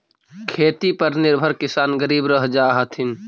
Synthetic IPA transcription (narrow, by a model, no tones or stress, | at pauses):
kʰeːt̪ipəɾnɪɾbʱəɾkɪsaːnɡəɾiːbɾəɦd͡ʒaɦət̪ʰɪn